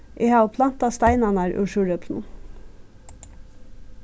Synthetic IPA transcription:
ʔeːhɑːʊpʰlɑnt̪ɑst̪æɪnɑnæːɾʔʉ̰ːʃʉːɾœpsn̩

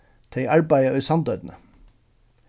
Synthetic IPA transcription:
t̪ʰeɪʔɑɹbæɪəœːsɑnd̪œːd̪n̩ə

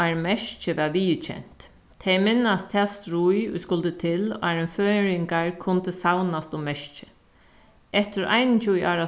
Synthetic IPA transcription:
aɾmɛʃt͡ʃɪʋɛʋiːt͡ʃʰɛ̰n̥t̪ʰː | ɛjmɪnast̪ʰɛːst̪ɾujʊ̰jskʊlt̪ət̪ʰɪla̰ɾɪnføːɾɪŋkaɹkʰʊnt̪əsawnast̪ʊmɛʂt͡ʃɪ̥ | ɛht̪ɪɾʔa̰jnɪt͡ʃujʔaːɾa

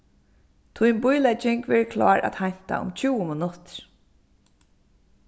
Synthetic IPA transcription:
t̪ʰʊjnbʊjlɛt͡ʃɪŋkʋɛːɹkʰla̰ːɹʔæ̰t̪hajɲ̥t̪a̰ʊ̰mt͡ʃʰuːwəmɪnʊt̪ɹ

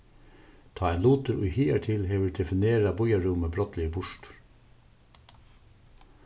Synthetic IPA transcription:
t̪ʰɑːeːnluːt̪əɾʔiːhiːæʈʰɪlheːʋəd̪ɛfɪneːɾɑbɔjɑɹʊməbɾɔt̪lɪbʊʃʈ

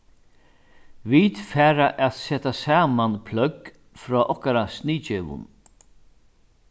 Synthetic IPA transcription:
viːt̪fæːɾaʔɛt̪sɛːt̪asaːmanpʰlœɡ | fɾɔːʔɔhkaɾasniːt͡ʃɛːʋʊ̰n

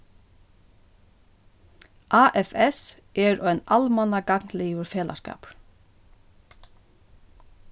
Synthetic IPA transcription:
ʔaːʔɛfɛs | ɛɾœjnalmanakaknliːʊɾfɛːla̰ska̰ːpɾ

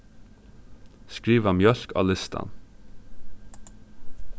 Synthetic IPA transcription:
skɹiːʋɑmjœʃkʰɑ̰ːlɪst̪ɑ̰n

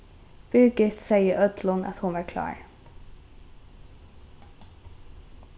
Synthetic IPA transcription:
b̥ʏɾɡɪθsɛɪəʔœd̪lʊna̰t̪hʊnʋɑɹkʰlɑ̰ːɹ

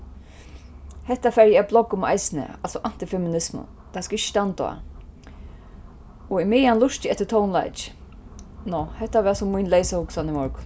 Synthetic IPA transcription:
hɛht̪ːafɛɾjɛblɔkːʊma̰jsɪnə̰alsɔʔan̥t̪ɪfɛmɪnɪsmʊ̰ | t̪ʰaskɪʃt̪ant̪ɔ̰a̰ | ɔɪmɪjanlʊʂt̪ɪɛt̪ːɪt̪ʰownla̰jt͡ʃ | nɔhɛht̪ːaʋɛːsʊmːʊjnlejsahʊksanɪmɔɹk

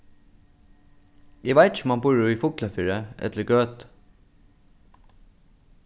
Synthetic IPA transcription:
eːʋæɪt̪çmɑnbuːɾʊːiːfʊklɑfiːɹəʔɛ̰t̪ləɡøːt̪

